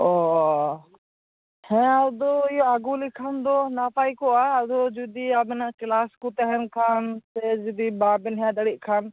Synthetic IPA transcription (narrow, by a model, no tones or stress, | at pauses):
o | hɛ̃ɐd̪oɪɦoaɡuːlikʰand̪oːnaːpaːikoaːɐd̪od͡ʒud̪iːabɪnkɪlaːskut̪ɐɦɛnkʰaːnsed͡ʒɪd̪iːbaːbɪnɦãːd̪ɐɽiʔkʰaːn